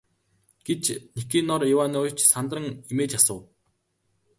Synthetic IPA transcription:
ɡ̥et͡ɕnikiːnːɔrɪwaːnʊːt͡ɕsant̪rə̆ŋimeːt͡ɕasə̆w

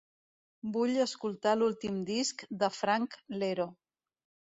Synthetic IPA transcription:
buʎəskulˠt̪alulˠt̪imd̪iskd̪əfɾaŋkleɾo

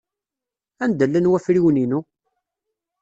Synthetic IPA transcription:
ænd̪əlːənwæfɾiwninu

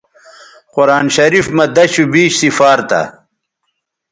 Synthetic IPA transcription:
qʊɾaːnɕɐɾifmɐd̪ɐɕubiːɕsifaːɾt̪ɐ̰

